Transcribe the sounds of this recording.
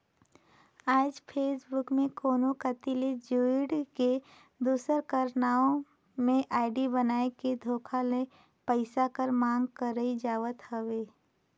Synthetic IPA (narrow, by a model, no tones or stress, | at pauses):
aːd͡ʒpʰeːsbʊkmẽkoːnokət̪iled͡ʒuɪɽke | d̪uːsəɾkəɾnaːõ | mẽʔaːɪɖibənaːeked̪ʱoːkʰale | pəɪsakəɾmãːŋɡkəɾəid͡ʒaːʋət̪ɦəʋeː